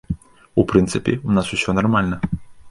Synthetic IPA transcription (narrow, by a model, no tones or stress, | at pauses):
upɾɨnt̪sɨpʲḭunasusʲɔnarmalʲnɐ